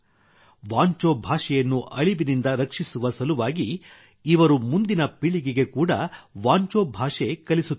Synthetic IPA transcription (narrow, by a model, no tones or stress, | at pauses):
ʋaːɲt͡ʃoːbʱaːʂɛjɐnːuʔɐɭiʋinind̪ɐɾɐkʂisuʋɐsɐluʋaːɡiː | ʋɐɾumund̪inɐpiɭiɡiɡe̞kuːɽɐʋaːɲt͡ʃoːbʱaːʂekɐlisuː